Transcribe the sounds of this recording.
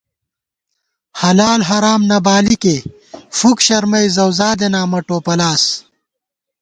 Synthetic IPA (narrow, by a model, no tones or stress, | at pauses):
hɐlaːlɦɐɾaːmnɐbaːlike | fukɕɐɾmɐjzɐwzaːd̪enaːmɐʈoːpɐlaːs